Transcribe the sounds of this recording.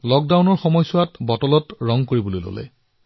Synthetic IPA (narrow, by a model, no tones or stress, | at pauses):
lɔk̚dawnɔɹxɔmɔjsʊatbɔtɔlɔtɹɔŋkoɹibolojlo̰lɛ̰